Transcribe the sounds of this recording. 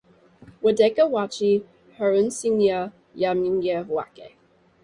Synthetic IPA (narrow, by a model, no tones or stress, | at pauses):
wədɛkəwat͡ʃi | həɹʉ̃nsinjə | jamiŋɡəwa̰kḛ